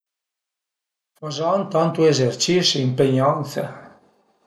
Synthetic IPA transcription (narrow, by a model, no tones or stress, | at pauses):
fazɔnt̪ɔnt̪uezert͡ʃisiimpeɲɔnt̪sa